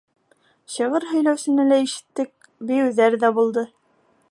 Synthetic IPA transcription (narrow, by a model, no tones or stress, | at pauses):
ɕɤ̆ʁɤɾɦɵ̆jlæwsɘ̆nɘlæiʃɘ̥̆t̪ːɘk̚ | bɘ̆jɘ̆ðæɾðæbulˠd̪ɤ